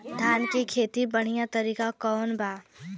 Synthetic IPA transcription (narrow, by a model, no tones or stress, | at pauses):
d̪ʱaːnkikʰeːt̪ibɐɽ̤ijãt̪ɐɾiːkakɔːnbʱaː